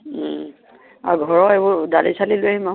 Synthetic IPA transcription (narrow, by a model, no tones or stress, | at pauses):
a̰ɡʱɔɹɔebɔdalisaliloɛɛmã